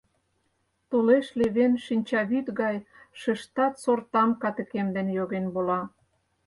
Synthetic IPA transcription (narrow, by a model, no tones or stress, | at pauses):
t̪uleʃleβenʃinʲt͡ɕɑβyt̪ɣɑj | ʃə̆ʃt̪ɑt̪sort̪ɑmkɑt̪ə̆kemd̪enjoɣenbolɑ